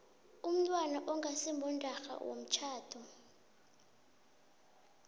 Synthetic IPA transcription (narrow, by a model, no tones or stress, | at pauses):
um̩tʼwanaʔɔŋɡʱasimbʱɔndʼʱaxa̰wo̰m̩t͡ʃʰaːtʰɔ